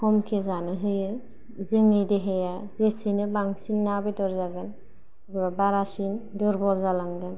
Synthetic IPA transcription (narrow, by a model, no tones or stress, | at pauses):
kʰɔmkʰezanɯɦɯjɯ | zɯŋɯdeɦejazesinɯbaŋsinːabedɔɾzaɡɯn | ɡɯbabaɾasinduɾbɔlzalaŋdɯn